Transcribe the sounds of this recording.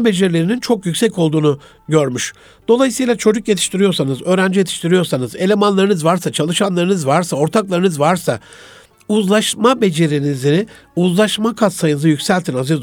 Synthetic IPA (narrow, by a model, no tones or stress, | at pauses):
be̞d͡ʒeɾlʲe̞ɾinint͡ʃʰo̞kjycsɛco̞lˠd̪uːnu | ɟø̞ɾmyʃ | d̪̥o̞lˠajɯsɯjlˠat͡ʃʰo̞d͡ʒukje̞t̪ʰi̥ʃt̪ʰiɾijo̞ɾsanɯzø̞ːɾænd͡ʒije̞t̪ʰi̥ʃt̪ʰiɾijo̞ɾsanɯze̞lʲe̞manlˠaɾɯnɯzvaɾsat͡ʃʰalˠɯʃanlˠaɾɯnɯzvaɾsao̞ɾt̪ʰaklˠaɾɯnɯzvaɾsa | uzlˠaʃmabe̞d͡ʒe̞ɾinizi | uzlˠaʃmakʰat̪sajɯnɯzɯjycʲsælʲt̪ʰinazɯz